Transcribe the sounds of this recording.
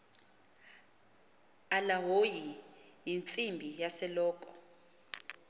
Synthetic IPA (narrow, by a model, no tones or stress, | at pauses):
alaɦoji | jint͡sʼimbʱijasɛlɔːkʼɔ